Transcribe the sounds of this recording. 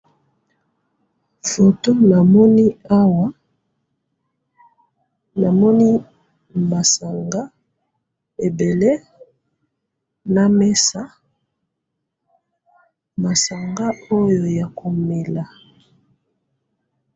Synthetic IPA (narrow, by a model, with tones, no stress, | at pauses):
fo˨to˦na˨mɔ˦ni˦a˦wa˦ | na˨mɔ˦ni˦ | ma˨sa˨ŋɡa˦ | e˨be˨le˦ | na˨me˦sa˦ | ma˨sa˨ŋɡa˦o˦jo˨ja˨ko˨me˨la˨